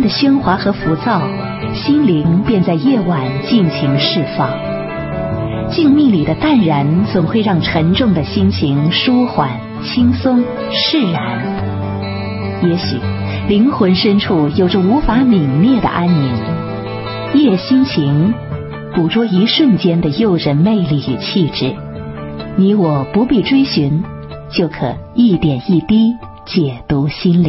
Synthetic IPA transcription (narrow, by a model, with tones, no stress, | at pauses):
nd̪ə˨ɕɥɛ˥nxwa˧˥xɤ˧˥fu˧˥t͡sɑ˥˩ʊ | ɕi˥nli˧˥ŋpjɛ˥˧nt͡sa˥˧ɪjɛ˥˩wa˨˩nt͡ɕi˥˩nt͡ɕʰi˧˥ŋʂɻ̩˥˧fɑ˥˩ŋ | t͡ɕi˥˧ŋmi˥˩li˨˩d̪ə˦t̪a˥˩nɻa˧˥nt͡sʊ˨˩ŋxwe˥˧ɪɻɑ˥˩ŋʈ͡ʂʰə˧˥ŋʈ͡ʂʊ˥˩ŋd̪ə˩ɕi˥nt͡ɕʰi˧˥ŋʂu˥xwa˨˩n | t͡ɕʰi˥ŋsʊ˥ŋ | ʂɻ̩˥˩ɻa˧˥n | jɛ˧˥ɕy̰˨˩ | li˧˥ŋxwə˧˥nʂə˥nʈ͡ʂʰu˥˩jo˨˩ʊʈ͡ʂə˧u˧˥fa˧˥mi˨˩ŋnjɛ˥˩d̪ə̰˩ʔa˥nmi˧˥n | jɛ˥˩ɕi˥nt͡ɕʰi˧˥ŋ | pu˨˩ʈ͡ʂwɔ˥i˧˥ʂwə˥˩nt͡ɕjɛ˥nd̪ə˨jo˥˩ʊʂə˧˩me˥˧ɪli˥˩y˨˩t͡ɕʰi˥˧ʈ͡ʂɻ̩˥˩ | ni˧˥wɔ˨˩pu˧˥pi˥˩ʈ͡ʂwe˥ɪɕy˧˥n | t͡ɕjo˥˩ʊkʰɤ̰˨˩˦i˥˩t̪jɛ˨˩ni˥˩t̪i˥ | t͡ɕjɛ˨˩t̪u˧˥ɕi˥nli˨˩˦